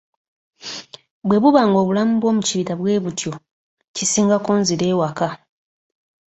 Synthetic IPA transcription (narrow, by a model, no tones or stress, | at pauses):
bwe̞βuβaːŋɡo̞ːβulamubwo̞ːmuciβitaβwe̞ːβutjo̞ | cisiːŋɡakuːnziɾe̞ːwaka